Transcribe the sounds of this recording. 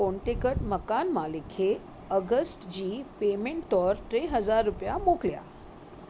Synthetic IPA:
õɳʈekəʈməkanmalikʰe | əɡəsʈd͡ʑiːpemeɳʈːɔːɾt̪ɾeɦəd͡zaɾːupjamoklja̰

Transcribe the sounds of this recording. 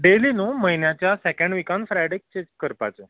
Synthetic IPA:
ɖelinuːməɦinjat͡ɕjasɛkə̃ɳɖʋikãnfɾajɽik̚t͡ɕẽd͡ʑkəɾpa̰t͡ɕe

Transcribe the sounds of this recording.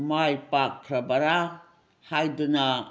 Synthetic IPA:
majpak̚tʰɾɐbɐɾa | hajduna

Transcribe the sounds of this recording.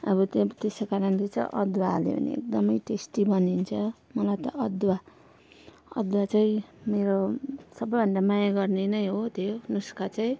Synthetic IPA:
ʌbʌt̪t̪esokaɾʌnlet͡saĩʔʌd̪waːlḛbʌ̰nḭḛk̚d̪ʌmʌjʈesʈibʌnint͡sʰʌmʌlajt̪ʌʔʌd̪wa | ʌ̰d̪wat͡saĩmeɾosʌbʌjbʱʌnɖamajaɡʌrnenʌjɦot̪ʰjonuskat͡saĩ

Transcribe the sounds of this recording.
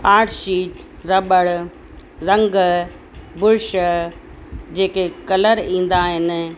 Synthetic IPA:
paːʈʃiːʈ | ɾɐbəɽ | ɾɐ̃ŋɡ | bʊɾɪʃ | d͡ʑeːkekɐləɾĩːn̆d̪aɦɪnɪ̆

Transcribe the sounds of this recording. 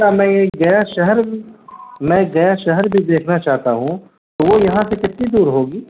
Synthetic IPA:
amɛ̃ːeɡɐjaʃɐɦəɾ | mɛ̃ːɡɐjaʃɐɦəɾbʱid̪eːkʰnat͡ʃaːɦt̪aɦũ | t̪oʋojɐɦãsekɪt̪nid̪uːɾɦoːɡiː

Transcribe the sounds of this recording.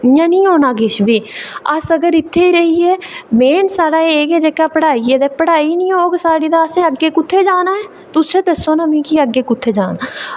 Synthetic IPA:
jãːnĩːɦoːnaːɡɪʃbʱiːəsəɡəɾɪt̪ʰːeːiːɾəɦiːɛːmeːnsaːɽaːeeːkɛːd͡ʒeːkːaːpəɽaːiɛːd̪ɛːpəɽaːiːnĩːɦoːɡsaːɽiːd̪aːəsẽːəɡːeːkʊt̪ʰːeːd͡ʒaːnaːɛː | t̪ʊsẽːd̪əsːoːnaːmĩːkiəɡːeːkʊt̪ʰːeːd͡ʒaːnaː

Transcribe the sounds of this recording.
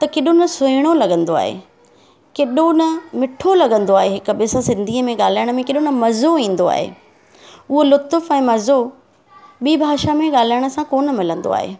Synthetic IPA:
t̪ɐkeɗonɐsʊɪɽ̃olɐɠə̃nd̪oa̰ːɦḛ | keɗonɐmɪʈʰolɐɠə̃nd̪oaːɦeɦɪkʊ̆bɪsãsɪ̃nd̪ʱiːəmẽɠaːl̤aːjəɽ̃ə̆mẽkeːɗonɐmɐzoĩːn̆d̪oa̰ːɦḛː | ʊɦolʊt̪ʊfɛ̃ːmɐzo | ɓiːbʱaːʃamẽɠaːl̤aːɪəɽ̃ə̆sãkoːnəmɪlə̃nd̪o̰a̰ːɦḛː

